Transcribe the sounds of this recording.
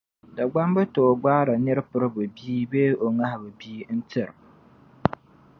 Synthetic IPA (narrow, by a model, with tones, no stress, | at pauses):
da˨ɡ͡ba˦mbɨ˦to˨ɡ͡baː˦ɾa˨nɨ˦ɾpʊ˦ɾɨ˦bʊ˨biː˦be˦o˨ŋa˦hɪ˨bɨ˨biː˦n̩˦tɪ˦˨ɾ